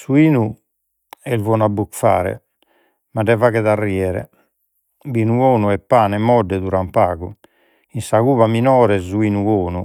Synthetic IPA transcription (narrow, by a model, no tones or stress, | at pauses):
suiːnu | ɛlvɔnabukfaːɾɛ̰ | maɖɛvaɣɛðarːiɛɾɛ̰ | biːnuoːnuɛpːaːnɛmɔɖːɛðuɾampaːɣu | insaɣuːβaminɔːɾɛzuiːnuoːnu